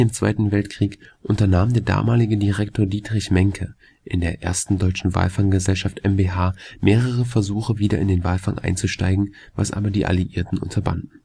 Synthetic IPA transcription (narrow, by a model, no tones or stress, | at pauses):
ɪːmt͡sv̥a̰ɪtn̩vɛltkʁ̥iːkʔʊntɐnaːmdeːɐda̰ːmaːlɪɡədiʁɛktʰoːɐdiːtʁ̥ɪçmɛŋkʰə | ʔɪndeːɐʔḛːɐstn̩dɔʏt͡ʃn̩va̰ːlfaŋɡəzɛlʃaftʔɛmbeɦaːmeːʁəʁəfɛɐzuːχəviːdɐɪndeːnvaːlfaŋʔa̰ɪnt͡suʃta̰ɪɡŋ̩ | va̰sʔa̰ːbɐdiːʔa̰liʔiːɐtn̩ʔʊ̰ntʰɐba̰ndn̩